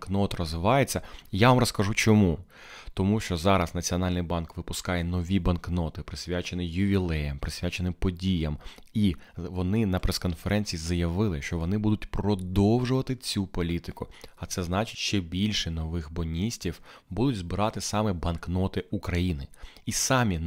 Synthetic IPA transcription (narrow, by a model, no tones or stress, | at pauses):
knɔt̪rɔzʋɪʋɑjet͡sʲːɐjaʋɑmɾɔskɐʒut͡ʃɔmu | t̪ɔmuʃt͡ʃɔzɑɾɐsnɐt͡sʲiɔnɑlʲnɪjbɑnkʋɪpʊskɑjɛnɔʋʲibɐnknɔt̪ɪpɾɪsʲʋʲat͡ʃenɪjʊʋʲilˠɛjɐmpɾɪsʲʋʲat͡ʃenɪpɔdʲijɐmiʋɔnɪnɐpɾeskɔnfeɾʔɛnʲt͡sʲijizɐjɐʋɪlˠɪʃt͡ʃɔʋɔnɪbud̪ʊtʲpɾrɔd̪ɔwʒʊʋɐt̪ɪt͡sʲupɔlʲit̪ɪkʊɐt̪sɛznɑt͡ʃɪ̥tʲʃt͡ʃɛbʲilʲʃɛnɔʋɪxbɔnʲisʲtʲiwbud̪ʊtʲzbɪɾɑt̪ɪsɑmɛbɐnknɔt̪ɪʔukɾɐjinɪisɑmʲi